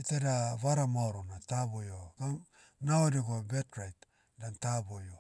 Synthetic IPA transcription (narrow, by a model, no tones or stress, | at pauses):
iteɾaβaɾamaoɾonatabojoɡan | naoɾiɡobetɾajt | dantabojo